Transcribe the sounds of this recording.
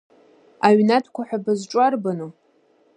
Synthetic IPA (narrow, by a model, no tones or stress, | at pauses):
aɥnatʰkʷʰaħʷᶣabɨzʈ͡ʂʼarbano